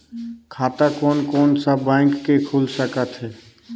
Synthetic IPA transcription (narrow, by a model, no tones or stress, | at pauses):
kʰaːt̪akɔːnkɔːnsabɛ̃ːŋkːekʰuːlsəkət̪ɦɛː